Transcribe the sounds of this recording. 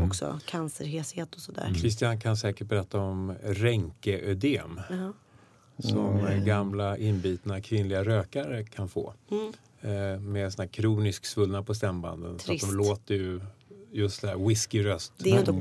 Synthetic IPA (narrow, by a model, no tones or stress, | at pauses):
ɔksɔ̰kʰansəɾheːsheːt̪ɔsɔd̪æ̰ːɾkʰɾɪst̪ɪankʰansɛːkəʈ̚bɛɾɛt̪ʰːaɔmɾɛŋkəʔœd̪eːm | sɔmɛɡamlaʔɪnbiːt̪nakʰvɪnlɪɡaɾøːkaɾəkʰanfo̰ː | mɛsɔnæːɾkʰɾuːnɪsksvɵlnapʰɔst̪ɛmba̰nd̪ə̰nsɔaɔmloːt̪əjɵjɵst̪sɛæːɾwɪskɪɾœst̪dɛ